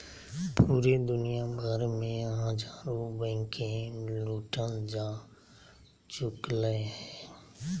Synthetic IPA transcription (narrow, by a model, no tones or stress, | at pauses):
puːɾed̪ʊnɪjabʱəɾmẽɦə̃d͡ʒaːɾubɛ̃ːkʰẽluːʈənd͡ʒãː | t͡ʃʊkləɦɛː